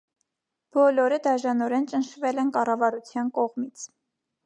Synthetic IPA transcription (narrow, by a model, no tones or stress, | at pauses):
b̥ɔlɔɾəd̪ɑʒɑnɔɾɛnt͡ʃənʃvɛlɛnkɑrɑvɑɾut͡sʰjɑnkɔʁmit͡sʰ